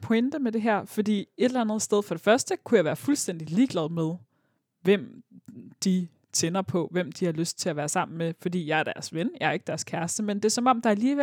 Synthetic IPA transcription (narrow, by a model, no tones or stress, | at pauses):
pʰɒend̥əmed̥e̝ɦæɐ̰fɒ̽d̥ḭːe̝d̥elænð̩ˠsd̥eð̞ˠfɒ̽ɾ̥e̝fɶɐsd̥əkʰujɑ̈ʋæːɐfulsd̥en̰d̥iliːɡ̥lɛðˠmeð̞ˠ | ʋem̰d̥i | t͡sʰenɐpʰɒ̽ʋem̰d̥ihɑ̈løsd̥̚t͡sʰe̝læʋæːɐsɑ̈m̰n̩mefɒ̽d̥ḭːjɑ̈æɐɾ̥æɐsʋenjɑ̈æɐe̝ɡ̥d̥æɐskʰæɐsd̥əmend̥e̝sɒ̽mɒ̽m̰d̥ɑ̈æliːʋe